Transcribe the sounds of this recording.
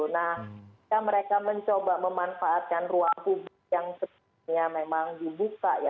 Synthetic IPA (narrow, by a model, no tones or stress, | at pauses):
nahikaməɾekaməɲt͡ʃobaməmanfaʔːt̪̚kanruaŋpublɪkk̚jaŋsə | ɲamemaŋdibukaja